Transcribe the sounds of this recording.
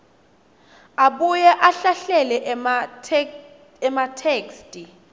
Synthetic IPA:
aɓujɛʔaɬaɬɛlɛʔʰ | ɛmatʰeːkstʼi

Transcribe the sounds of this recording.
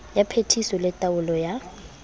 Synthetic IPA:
japʰetʰisɔlɛtʼaʊlɔja

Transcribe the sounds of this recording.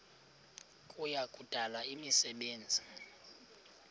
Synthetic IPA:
kʼujakʼud̥ʱalaimisɛɓeːnd͡zʱi

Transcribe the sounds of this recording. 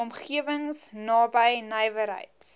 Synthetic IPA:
ɔmχiəvəŋsnɑːbəjnəjvəɾɦə̰jt

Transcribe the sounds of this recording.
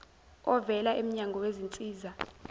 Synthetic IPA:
ɔvɛlaʔem̩ɲaŋʱɔwezint͡sʼiːza

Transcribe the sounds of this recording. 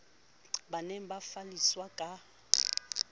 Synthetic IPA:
banɛmbafaliswakʼa

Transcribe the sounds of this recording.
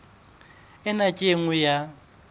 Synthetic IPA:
ɪnakʼeŋʊja

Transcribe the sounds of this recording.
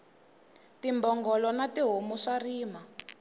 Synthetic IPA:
timbɔŋɡɔlɔnatiɦomuʂariːma

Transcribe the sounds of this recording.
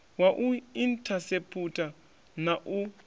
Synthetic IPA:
waʔuintʰasepʰutʰʼa | naʔu

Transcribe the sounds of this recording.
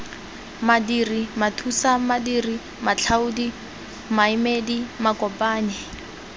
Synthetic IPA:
madirimatʰusamadiːri | mat͡ɬʰaudi | maɪmedimakɔpaːɲɛ

